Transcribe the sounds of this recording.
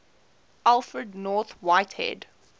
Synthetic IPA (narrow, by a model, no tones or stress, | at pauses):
ʔalˠfɹədnɔθwaɪthɛ̰d